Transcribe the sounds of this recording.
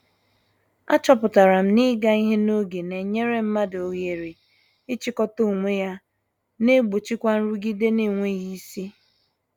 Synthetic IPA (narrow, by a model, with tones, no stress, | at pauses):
a̰˦t͡ʃɔ˦pʊ˨ta˨ɾa˨m̩˦ni˦ɡa˦i˦ɦe˦no˦ɡe˨ne˨ɲe˦ɾe˦m̩˦ma˦do˨ɣe˨ɾi˨ | ɪ˦t͡ʃi˦kɔ˦to˦˨ŋʷe˦ja˦ | ne˦ɡ͡bo˨t͡ʃi˦kʷa˦n̩˦ɾu˦ɡi˦de˦ni˦˨ŋʷe˦ɣi˦si˦